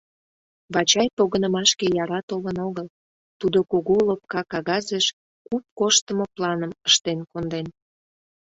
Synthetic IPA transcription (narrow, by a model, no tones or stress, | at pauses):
βɑt͡ɕɑjpoɣənəmɑʃkejɑɾɑt̪oβənoɣəl | t̪ud̪okoɣoləp̚kɑkɑɣɑzeʃ | kup̚koʃt̪əmoplɑnəməʃt̪enkond̪en